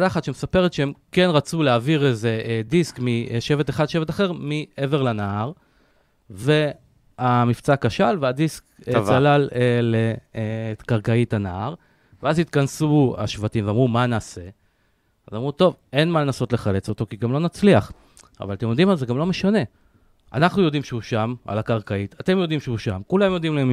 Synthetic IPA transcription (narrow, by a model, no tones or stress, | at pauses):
d̪aχat̪ʃemesapeʁet̪ʃeemke̞nʁat͡suleaːviʁeze̞ed̪iskmiʃe̞ve̞t̪eχad̪ʃevet̪aχe̞ʁmie̞ve̞ʁlanaaʁ | ve̞ | amift͡sakaʃalvead̪iskt͡salalele | kaʁkaitanaaʁ | veazit̪kansua̰ʃvatimveamʁumanaːse̞ | zamʁut̪o̞ve̞nmalenaso̞t̪leχale̞t͡so̞t̪o̞kiɡamlo̞nat͡sliaχ | a̰valat̪emjo̞d̪imalzeɡamlo̞meʃane̞ | ʔa̰naχnujo̞d̪imʃeuʃama̰lakaʁkaitʰat̪e̞mjo̞d̪imʃehuʃamkulamjo̞d̪imlaem